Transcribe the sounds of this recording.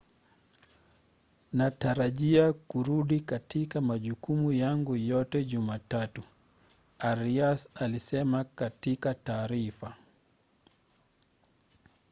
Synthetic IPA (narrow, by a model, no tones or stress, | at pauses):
nataɾaʄiakuɾuɗikatikamaʄukumujaŋɡujɔtɛʄumatatu | aɾiasalisɛmakatikataːɾifa